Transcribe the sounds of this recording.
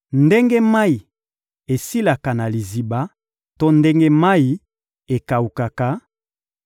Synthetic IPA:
nde˦ŋɡe˦ma˦i˨ | e˨si˦la˨ka˨na˨li˨zi˨ba˦ | to˦nde˦ŋɡe˦ma˦i˨ | e˨ka˨u˨ka˨ka˨

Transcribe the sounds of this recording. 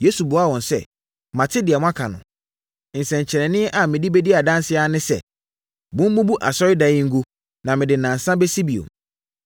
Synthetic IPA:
je˦su˨bʊ˨˦a˦˨wɔ̃˨nsɛ̰˦ | mã˨tʰɪ˦dɪ˨a˨mʊ̃˦a˦kʰa˨nʊ̰̃˨ | n̩˨sɛ̃˨ɲ˨t͡ɕʰɛ˨ɾɛ̃˨nɪ̃˦ʔa˨mɪ̃˨di˦bɛ˦dɪ˦a˨dã˦nsɪ˦a˦nɪ̃˦sɛ̰˨ | bʊ̃˦m̩˦mũ˦bu˦ʔa˨sɔ˦ɾɪ˦da˨ɪ˦ŋ̩˦ɡu˦ | nã˨mɪ̃˨dɪ˨nã˨n̩˨sã˦bɛ˦si˦bi˨o̰˨m

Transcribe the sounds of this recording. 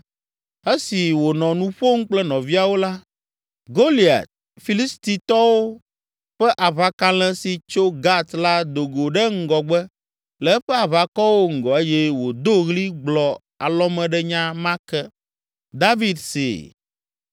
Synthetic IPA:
e˦si˨wo˨nɔ̃˨nũ˦ɸo˦ŋ̩˦k͡plɛ˦nɔ̃˨vi˦a˨wo˦la˦ | ɡo˦li˨a̰˨t̪̚ | fi˨li˦st̪i˦t̪ɔ˦wo˦ | ɸɛ˦ʔa˨βa˦ka˦lɛ̃˦si˨t͡ʃo˦ɡa˦t̪la˦d̪o˨ɡo˨ɖɛ˦ŋ̩˦ɡɔ˨ɡ͡bɛ˦ | lɛ˨˦ɸɛ˦a˨βa˨kɔ˦wo˦ŋ̩˨ɡɔ˨e˦jɛ˦wo˨d̪o˦ɣli˦ɡ͡blɔ˨ | a˨lɔ˦mɛ̃˨ɖɛ˦ɲã˦mã˦kɛ˦ | d̪a˦vi˦d̪sḛ˨

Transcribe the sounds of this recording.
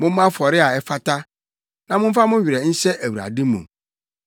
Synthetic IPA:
mʊ̃˦m˦ã˦fɔ˨ɾɪ˦a˨ɛ˦fa˦tʰa˦ | nã˦mʊ̃˦m̩˦fa˦mʊ̃˦ɥi˨ɾɛ˨n̩˦sɛ˦ʔæ˨wu˨ɾa̰˨dɪ̃˦mṵ̃˨

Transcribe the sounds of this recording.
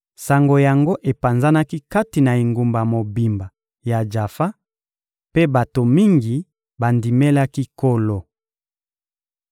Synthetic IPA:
sa˨ŋɡo˨ja˨ŋɡo˦ʔe˨pa˨nza˦na˦ki˦ka˦ti˨na˨e˨ŋɡu˨mba˨mo˨bi˨mba˨ | ja˨d͡ʒa˨fa˦ | pe˦ba˨to˨mi˦ŋɡi˨ | ba˨ndi˨me˦la˦ki˦ko˦lo˦

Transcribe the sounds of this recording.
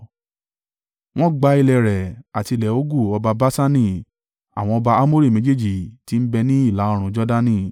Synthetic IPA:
w̃ɔ̃˦ɡ͡ba˧i˧lɛ˧˨ɾɛ˨a˨ti˧˨lɛ˨o˦ɡu˦˨ɔ˧ba˧ba˦sa˦nĩ˦˨ | a̰˨w̃ɔ̃˧ɔ˧ba˧a˦mo˦ɾi˦˨mẽ˨˦d͡ʒe˦˨d͡ʒi˦˨ti˨˦n̩˦bɛ˧nĩ˦i˦˨la˨˦ɔ˧ɾ̃ũ˧d͡ʒɔ˦da˦nĩ˦˨

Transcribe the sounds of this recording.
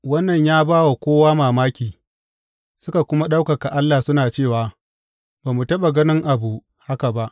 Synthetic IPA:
wɐ˦nːɐ˨ɲjaː˦baː˦wa˨kʷoː˦waː˦maː˨maː˦kʲiː˨ | sʊ˦ka˨kʷʊ˦ma˦ɗa˦wkɐ˨ka˨ʔa˦lːa˨sʊ˦naː˨t͡ʃeː˦˨waː˨ | baː˨mu˨tɐ˦ɓa˨ɡɐ˦nɪ˦ŋʔa˨bu˨ʔ | ha˦ka˨ba˦ʔ

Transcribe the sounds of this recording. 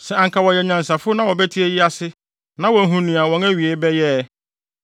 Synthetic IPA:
sɛ˨ã˨ŋkʰa˨wɔ˨jɛ˨ɲã˨nsa˨fʊ˦nã˦wɔ˨bɛ˦tʰi˦e˦jɪ˦a˦sɪ˦ | nã˦wɔ̃˨n˦ɦũ˦nũ˨a˨wɔ̃˨ŋæ˦ɥi˨e˦bɛ˦jɛ˦

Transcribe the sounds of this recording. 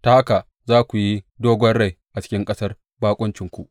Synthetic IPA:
ta˨ha˦ka˨ʔ | zaː˦kʷu˨ji˦doː˦ɡʷɔ˦nɽa˦˨jʔa˨t͡ʃɪ̥˦kʲɪ˦ŋkʼɐ˦sɐ˦r | baː˦kʷʼʊ˦nt͡ʃɪ˨ŋkʷu˨ʔ

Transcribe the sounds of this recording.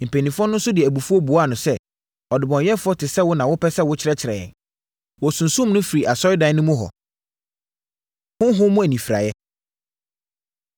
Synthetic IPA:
m̩˨pʰæ˨nĩ˨fʊ˦ɔ˦nʊ̃˦n̩˦sʊ˦dɪ˨ɛ˨æ˨bu˨fu˦ɔ˦bu˨a˦˨nʊ̃˨sɛ˦ | ɔ˨dɪ˨bɔ̃˨njɛ˦fʊ˦ɔ˦tʰɪ˨sɛ˦wʊ˦nã˨wʊ˦pʰɛ˦sɛ˦˨wʊ˦t͡ɕʰɪ˦ɾɛ˦t͡ɕʰɪ˨ɾɛ˨jɛ̰̃˨n | wɔ˨sũ˨nsũ˦mnʊ̃˦fi˨ɾi˨ʔa˨sɔ˦ɪ˦dã˨˦nʊ̃˦mʊ̃˦ɦɔ̰˨ | hʊ̃˦ɦʊ̃˦mʊ̃˦æ˨nĩ˨fi˨ɾa̰˨jɛ˦

